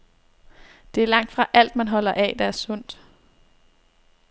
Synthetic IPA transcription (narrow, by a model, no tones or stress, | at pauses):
d̥e̝æɐlɑ̈ŋ̰d̥fʁɑ̈ʔæl̰d̥mænɦɒ̽l̰ɐʔɛ̰d̥ɑ̈æɐsɔ̽n̰d̥